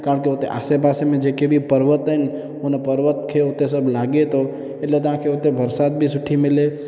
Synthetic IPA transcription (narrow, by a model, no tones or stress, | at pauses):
kaːɾə̃ɳkeot̪eʔa̰sebaːsemẽd͡ʒekebʱipəɾʋət̪ɛn | onepəɾʋət̪kʰeot̪esəblaɡet̪o | eʈlet̪ãkʰeot̪ebʱəɾsat̪̚bʱisʊʈʰːimɪle